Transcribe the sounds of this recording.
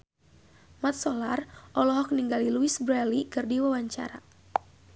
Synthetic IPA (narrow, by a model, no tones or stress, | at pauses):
mat̪̚sɔlarʔɔlɔɦɔk̚niŋɡaliluisbɾɛlikɨrdiwawaɲt͡ʃa̰ɾa̰